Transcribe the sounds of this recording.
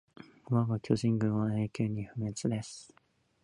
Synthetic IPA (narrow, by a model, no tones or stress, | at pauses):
βaɡokʲo̞ʑĩŋɡɯ̟̃ɰ̃βae̞ːkʲoːɲ̟iɸɯ̟me̞t͡sɨd̪e̞sɨ̥